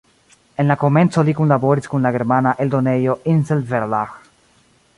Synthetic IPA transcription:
enlakomẽnsolikunlaβoɾiskunlaɣeɾmanaʔeld̪onejoʔinselveɾlax

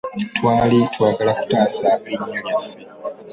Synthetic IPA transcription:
twaːlitwaːɡalaku̥taːsaiɲːoljafi

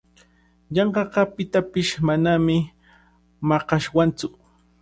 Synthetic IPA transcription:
ʎɑɴɢɑqɑpɪt̪apɪʃmanamɪ | mɑqɑʃwant͡sʊ

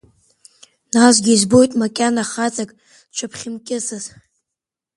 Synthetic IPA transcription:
nazʷɡʲizbo̞jtʼmakʲʼanaχat͡sʼakʼ | t͡ʃʷʰapʰχʲɪmkʲʼɪzaz

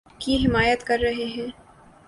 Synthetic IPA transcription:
kiɦɪmaːjət̪kɐɾːɐɦeɦɛ̃ː

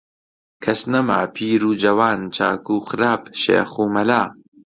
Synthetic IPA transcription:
kʰɐsnɐma̰ːpʰiːɾuːd͡ʒɐwaːnt͡ʃʰa̰ːkuːxɨɾaːpʃḛːxuːmɐlaː

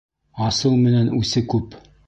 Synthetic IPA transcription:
ɑsɤwmɘ̆nænʉsɘkʉp

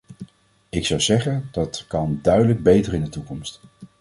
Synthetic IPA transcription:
ɪksɑwzɛχənd̥ɑtkɑndœɥdələɡ̚bejtəɹɪndətukɔmst

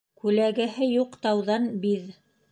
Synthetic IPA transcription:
kʉlæɡæhɘjuqt̪ɑwðɑnbið

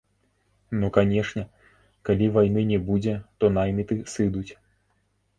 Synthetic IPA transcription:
nukanʲɛʂnʲɛ | kalʲivajn̪ɨnʲɛbud͡zʲɛt̪ɔnajmʲit̪ɨsɨd̪ut͡sʲ

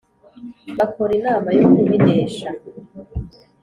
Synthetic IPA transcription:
βakoɾinaːmajonimideːʃa

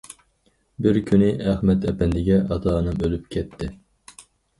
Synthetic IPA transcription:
bɪɾkʲʰynɪæχmɛt̪ʰɛpɛnd̪ɪɡʲɛʔɑt̪ʰɑːnɨmølyp̚kʲʰɛt̪ʰːɪ

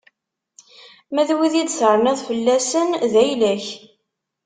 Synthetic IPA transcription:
mæðwiðid̪θəɾˤnæðfəlːæsənðæjlæç

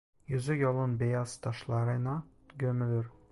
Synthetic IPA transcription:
jɵ̆zɘjɒlˠɤnbejɑst̪ɒʃlˠɑɾɤnɑ | ɡɵ̆mɘ̆lɘɾ

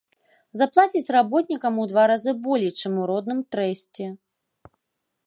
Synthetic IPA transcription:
zaplˠat͡sʲit͡sʲrabɔt̪̚nʲikɐmud̪vaɾazɨbɔlʲɛjt͡ʂɨmuɾɔd̪nɨmt̪ɾɛsʲt͡sʲɛ

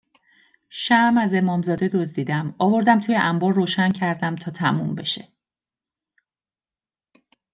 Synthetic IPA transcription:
ʃæmæze̞mɒːmzɒːd̪e̞d̪o̞zd̪iːd̪æmɒːvo̞ɾd̪æmt̪ʰuːjeʔæmbɒːɾːoːʃæncʰæɾd̪æmt̪ʰɒːt̪ʰæmumbe̞ʃe̞̰

